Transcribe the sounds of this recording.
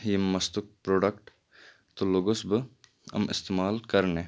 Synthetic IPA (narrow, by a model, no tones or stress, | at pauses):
jimːɐst̪ʊk̚pɾoːɖəkʈ | t̪oloːɡosbə | ɐ̰mɪ̰st̪eːmaːlkɐɾneː